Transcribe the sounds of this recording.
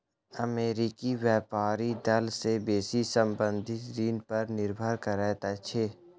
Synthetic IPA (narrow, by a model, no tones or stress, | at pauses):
əmeːɾɪkiwjɛːpaːɾid̪ɐlsebeːsisə̃mbə̃nd̪ʱɪt̪d͡ʒiːnpəɾnɪɾbʱəɾkəɾɛːt̪at͡ʃʰeː